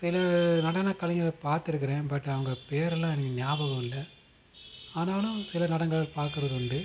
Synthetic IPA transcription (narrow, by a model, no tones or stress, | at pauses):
sɪlɐnɐɽɐnɐkɐlɐŋɡɐlɐpaːɾt̪ɪɾɯk̬ːɐɾẽːbɐʈːɐʋɐŋɡɐpeːɾɛlːãːɛnɐkːɯnɪjaːbɐɣɐ̃mɪlːɐ | aːnaːlʊ̃sɪlɐnɐɽɐŋɡɐɭɐlpaːɾkɯɾɐðɯʊɳɖɯ